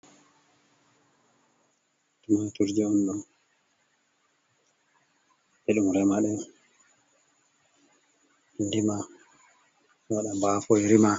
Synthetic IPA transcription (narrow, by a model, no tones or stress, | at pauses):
tumatuɾd͡ʒɛɔnɗun | ʔɛɗumɾɛmaɗɛ | indima | waɗambafɔjɾima